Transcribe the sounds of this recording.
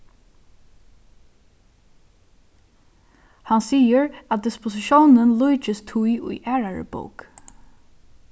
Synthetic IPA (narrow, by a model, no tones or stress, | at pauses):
hɑnsiːəɹɑt̪̚d̪ɪspʊsɪʃuːnənluʏt͡ʃəst̪ʰujʔʊ̰ɪʔæːɹaɹə̰bo̰ːk